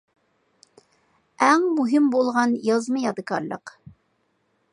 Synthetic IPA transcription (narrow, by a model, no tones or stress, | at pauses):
æŋmuɦɪmbolˠʁɑnjɑzmɨjɑd̪ɨkɑ̰ɾlˠə̰q